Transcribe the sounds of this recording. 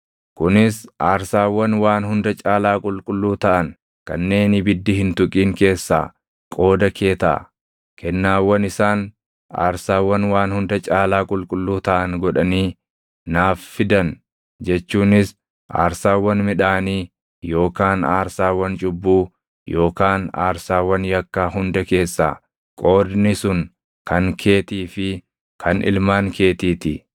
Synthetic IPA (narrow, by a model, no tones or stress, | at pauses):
kʊnɪsaːɾsaːwːɐnwaːnhʊnd̪ɐt͡ʃʼaːlaːkʼʊlkʼʊlːuːt̪ɐʔɐn | kɐ̰nːe̞ːnɪbɪd̪ːɪhɪnt̪ʊkʼiːŋke̞ːsːa̰ː | kʼo̞ːd̪ɐkʰe̞ːt̪ɐ̰ | kʰɛnːaːwːɐnɪsaːn | a̰ːɾsaːwːɐnwaːnhʊnd̪ɐt͡ʃʼaːlaːkʼʊlkʼʊlːuːt̪ɐʔɐnɡɔᶑɐniː | naːfːɪd̪ɐn | d͡ʒɛt͡ʃːuːnɪs | ʔa̰ːɾsaːwːɐnmɪᶑaːniː | jo̞ːkaːna̰ːɾsaːwɐnt͡ʃʼʊbːuː | jo̞ːkaːna̰ːɾsaːwɐnjɐkːaːɦʊnd̪ɐke̞ːsːa̰ː | kʼo̞ːd̪nɪsʊn | kɐŋkʰe̞ːt̪iːfɪ | kʰɐnɪ̰lmaːŋkʰe̞ːt̪iːt̪ɪ